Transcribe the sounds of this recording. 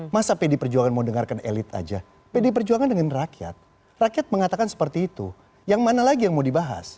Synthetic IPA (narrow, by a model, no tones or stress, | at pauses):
masapedipərd͡ʒuaŋanmaudəŋarkanḛlɪt̪a̰d͡ʒa | pedip̬ərd͡ʒuaŋandəŋanrakia̰t̪̚ | rakiat̪̚məŋat̪akansə̥pərt̪iːt̪u | jaŋmanalaɡijaŋmaudibaɦa̰s